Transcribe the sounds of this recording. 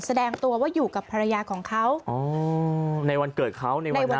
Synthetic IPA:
sa˧dɛː˧ŋt̪u˧ɐwaː˥˩juː˨˩ka˨˩pʰːa˧ɾa˧jaː˧kʰɔː˩˦ŋkʰa˦˥wʔɔː˧˦ | na˧jwa˧nkɤː˨˩t̪̚kʰa˦˥˩wna˧jna˧jwa˧˦

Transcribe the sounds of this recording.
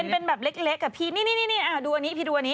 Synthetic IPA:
npe˧nbɛː˨˩p̚le˦˥k̚le˦˥kːa˨˩pʰiː˧˩niː˧˩niː˧˩niː˧˥˩niː˧˩ʔaː˧˩duː˧ʔa˧niː˦˥pʰiː˧duː˧ʔa˧niː˦˥

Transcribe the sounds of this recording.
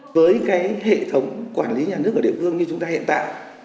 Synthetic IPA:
vəː˨˦jkaː˨˦jɦḛ˧˨t̪ʰə˨˦wŋ͡mkwaː˧˩nli˨˦ɲaː˨˩nɨ˦˥ək̚əː˧˩ḭ˧˨ə˩fɨ˧əŋɲɨ˧t͡ɕʊ˨˦ŋ͡mt̪aː˧hḭ˧˨ənt̪a̰ː˧˨j

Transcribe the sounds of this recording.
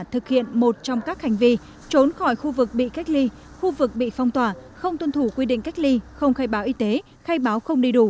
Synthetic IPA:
t̪ʰɨ˨˩k̚hḭ˧˨ənmo˨˩t̚t͡ɕɔ˧wŋ͡mkaː˦˥k̚ha˨˩jŋ̟vi˧ | t͡ɕo˨˦nxɔ˧˩jxu˧vɨ˨˩k̚ɓḭ˧˨ka˦˥jk̟̚li˧ | xu˧vɨ˨˩k̚ɓḭ˧˨fɔ˧wŋ͡mt̪waː˧˨˩xə˧wŋ͡mt̪wə˧nt̪ʰu˧˩kwi˧ɗḭ˧˨ŋ̟ka˦˥jk̚li˧xə˧wŋ͡mxaː˧jɓaː˨˦wʔi˨˧˦t̪e˨˦ | xaː˧jɓaː˨˦wxə˧wŋ͡mɗi˧ɗu˧˩

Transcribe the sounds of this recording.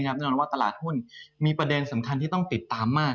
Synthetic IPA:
kʰɾa˥p̚nɛ˥˩nɔː˧nwaː˥˩t̪a˧la̰ː˨˩t̪̚hu˥˩nmiː˧pɾa˧de˧nsa˩˦mkʰa˧nt̪ʰiː˥˩t̪ɔ˥˩ŋt̪i˨˩t̪ːaː˧mːaː˥˩

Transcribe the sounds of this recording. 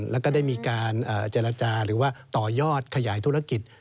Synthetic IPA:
lɛ˦˥kɔː˥˩da˥˩jmiː˧kaː˧nʔəː˨˩t͡ɕeː˧ɾa˧t͡ɕaː˧ɾɯː˩˦waː˥˩t̪ɔː˨˩jɔː˥˩t̪̚kʰa˧jaː˩˦jt̪ʰu˦˥ɾa˧ki˨˩t̪̚

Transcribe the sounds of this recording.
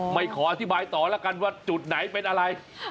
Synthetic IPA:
ma˥˩jkʰɔː˩˦ʔa˧t̪ʰi˦˥˩baː˧jt̪ɔː˨˩lɛː˦˥˩wka˧nwaː˥˩t͡ɕu˨˩t̪̚na˩˦jpe˧nʔa˧ɾa˧j

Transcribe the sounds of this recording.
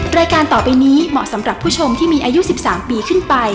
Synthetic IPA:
ɾaː˧jkaː˧nt̪ɔː˨˩pa˧jniː˦˥mɔ̰˨˩sa˩˦mɾa˨˩pʰːuː˥˩t͡ɕʰo˧mt̪ʰiː˥˩miː˧ʔaː˧ju˦˥si˨˩p̚saː˩˦mpiː˧kʰɯ˥˩npa˧j

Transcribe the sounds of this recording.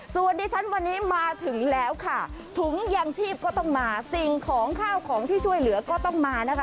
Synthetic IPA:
su˨˩əndiː˧t͡ɕʰa˦˥nwa˧nːiː˦˥maː˧t̪ʰɯ˨˩˦ŋlɛː˦˥wkʰa˥˩t̪ʰu˨˩˦ŋjaː˧ŋt͡ɕʰiː˥˩p̚kɔː˥˩t̪ɔ˥˩ŋmaː˧si˨˩ŋkʰɔː˩˦ŋkʰaː˥˩wkʰɔː˩˦ŋt̪ʰiː˥˩t͡ɕʰu˥˩əjlɯ˨˩˦ɐkɔː˥˩t̪ɔ˥˩ŋmaː˧na˦˥kʰa˦˥

